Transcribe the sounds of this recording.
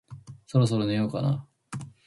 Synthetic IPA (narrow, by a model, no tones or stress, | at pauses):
so̞ɾo̞s̬o̞ɾonejokana